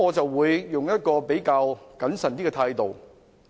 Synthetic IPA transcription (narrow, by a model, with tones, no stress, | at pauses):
ɔː˨˧t͡sɐ˨wːuː˨˧˥jːʊ˨ŋjɐ˥t̚kɔː˧pe˨˥jkaː˧wkɐ˨˥nsɐ˨nt̪iː˥ɡɛ˧t̪ʰaː˧jt̪o˨˩w